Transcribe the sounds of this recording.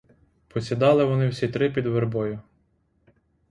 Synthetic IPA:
pɔsʲid̪ɑlˠɪʋɔnɪwsʲit̪ɾɪpʲid̪ʋerbɔjʊ

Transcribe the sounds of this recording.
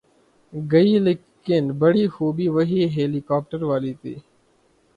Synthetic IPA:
ɡəiːlɪkː | ɪnbəɽiːxuːbiːʋəɦiːɦeːliːkaːp̚ʈəɾʋaːliːt̪ḭː

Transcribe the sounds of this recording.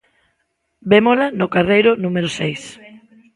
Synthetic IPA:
bemolanʊkarejɾʊnũmeɾʊsejs

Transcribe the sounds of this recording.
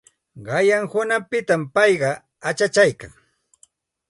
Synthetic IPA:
ɢɑjaŋhʊnapɪt̪ampɑjɢɑ | at͡ʃat͡ʃajka̰ŋ

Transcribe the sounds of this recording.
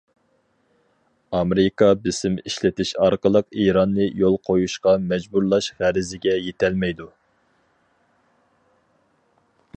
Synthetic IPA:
ɑmeɾɪkɑbɪsɪmiʃlɪt̪ʰɪʃɑɾqəlˠəqiɾɑnːɨjolˠqʰojuʃqɑmɛd͡ʒbuɾlˠɑʃʁæɾɪzɪɡʲɛjet̪ʰɛlmɛjd̪u

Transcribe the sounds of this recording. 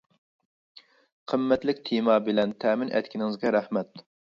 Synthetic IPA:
qʰəmːɛt̪lɪkʲt̪ʰemɑbɪlɛnt̪ʰɛːmɪnʔɛ̰t̪ʲkʲʰinɪŋɨzɡʲɛɾæhmɛt̪̚

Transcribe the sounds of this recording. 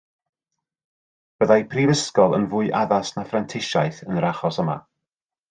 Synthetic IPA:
b̥əðajpʰrivəskɔlˠə̰nvʊɨʔaðasnafrantʰɪʃajθənəɾaχɔsəma̰

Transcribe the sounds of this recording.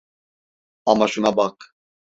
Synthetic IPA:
amaʃunabakʰ

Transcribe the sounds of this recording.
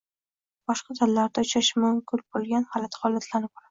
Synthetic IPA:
b̥ɒʃqɑd̪ʰalːaɾd̪aʊt͡ʃʰaʃmʊmkʰʊlbolˠɡʲanhalat̪ʰχɒlːat̪ʰlanɪp̚ʊlḁ

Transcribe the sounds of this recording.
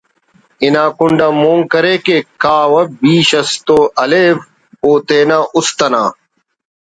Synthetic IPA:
ɪnãːkʊɳɖaːmoːŋkɐɾeːkeːkaːwɐbiːɕɐst̪oːɐleːf | oːt̪eːnaːʔʊst̪ɐna̰ː

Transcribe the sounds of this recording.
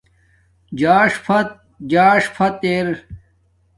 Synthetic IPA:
d͡ʑaːʂpʰɐt̪̚ | d͡ʑaːʂpʰɐt̪eɾ

